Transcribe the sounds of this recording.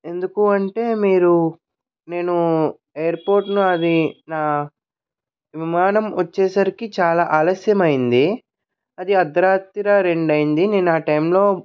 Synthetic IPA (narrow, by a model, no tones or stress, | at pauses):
e̞nd̪ukuɐɳʈe̞ːmiːɾu | ne̞ːnu | ejɐɾpoːɾʈnuɐd̪inaː | ʋimaːnɐmʋɐt͡ʃːɛːsɐɾikit͡ʃaːlaːʔaːlɐsjɐmɐjind̪i | ɐd̪iɐd̪ːɐɾaːt̪ːiɾaɾe̞ɳɖɐjind̪ine̞ːnuaːʈɐjmloː